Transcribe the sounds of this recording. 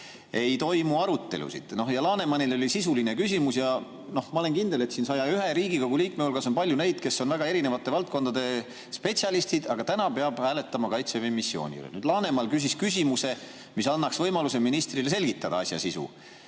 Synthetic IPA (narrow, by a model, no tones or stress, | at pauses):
e̞jt̪o̞jmuɑɾut̪ːe̞̰lṵsḭd̪̥no̞hjɑlɑːne̞mɑnilo̞lʲisisuline̞kys̬ʲimusjɑ | no̞hmɑole̞nkind̪̥e̞le̞t̪siːnsɑjɑyɦeɾiːɡikoɡuliːk̚meulɡ̥ɑso̞npɑlʲjune̞jd̪̥ke̞sːo̞nvæɡ̥ɑe̞ɾine̞vɑt̪ːˑe̞vɑlt̪̚ko̞nd̪ɑd̪e̞ | spe̞tsjɑlist̪id̪ɑɡ̥ɑt̪ænɑpe̞ɑb̥hæːle̞t̪ːˑɑmɑkɑjt̪sevejmisːjo̞̰ːnʲḭlḛnyd̪̥lɑːne̞mɑlkys̬iskysʲimuse̞ | misɑnːɑksvɤjmɑluseminist̪rile̞s̬e̞lɡ̥it̪ːɑd̪̥ɑɑsʲjɑ̰sisṵ